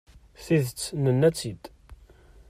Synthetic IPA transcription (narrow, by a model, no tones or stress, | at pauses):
θiðət͡sːnənːæt͡sːid̪